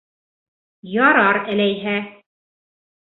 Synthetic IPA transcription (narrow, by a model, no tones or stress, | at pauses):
jɒɾɑɾælæjɦæ